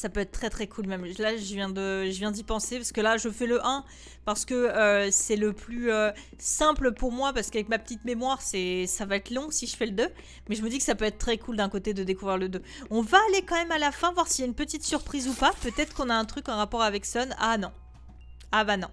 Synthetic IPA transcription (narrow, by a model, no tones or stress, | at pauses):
sapøɛt̪χt̪χɛt̪χɛkʰulmɛmlaʒəvjɛ̃d̪əʒəvjɛ̃d̪ipɑ̃sepaʁsə̥kəlaʒəfɛləʔɛ̃ | paʁsə̥kəøsɛləplyø | sɛ̃pləpuʁmwapaʁsə̥kavɛkmapə̥t̪it̪memwaʁsɛsavaɛt̪lɔ̃siʒəfɛləd̪ø | mɛʒəməd̪ikə̥sapøɛt̪χət̪χɛkʰuld̪ɛ̃kot̪ed̪əd̪ekuvʁiʁləd̪ø | ɔ̃vaːlekɑ̃mɛmalafɛ̃vwaʁsiljaynpət̪it̪syʁpχizupapøt̪ɛt̪χə̥kɔ̃naɛ̃t̪χykɑ̃ʁapɔʁavɛksɔnanɔ̃ | abanɔ̰̃